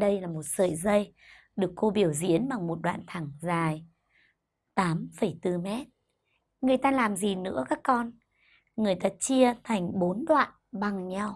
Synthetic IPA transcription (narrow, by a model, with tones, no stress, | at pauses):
ɗə˧jlaː˨˩mo˨˩t̚sə̰ː˧˨jzə˧j | ɗɨ˨˩əkːo˧ɓi˧˩əwzḭ˧˥ənɓa˨˩ŋmo˨˩t̚ɗwa̰ː˧˨nt̪ʰa˧˩ŋzaː˨˩j | t̪aː˨˦mfə˧˩jt̪ɨ˧mɛ˦˥t̚ | ŋɨ˨˩əjt̪aː˧laː˨˩mzi˨˩nɨ̰˧˥əkaː˦˥kːɔ˧n | ŋɨ˨˩əjt̪aː˧t͡ɕi˧ət̪ʰa˨˩jŋ̟ɓo˨˦nɗwa̰ː˧˨n | ɓa˨˩ŋɲa˧w